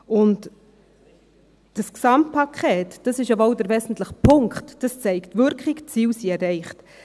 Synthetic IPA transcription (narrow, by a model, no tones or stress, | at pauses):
ʊnt | d̥əsksɑmt̚pʰɑkʰχeːtd̥ɑsɪʃjɑbɑwdəɾvɛzn̩tləχpʰʊŋkχtd̥ɑst͡sɛɪktvʏɾkχɪɡt͡siːwsiɛɾɛɪχt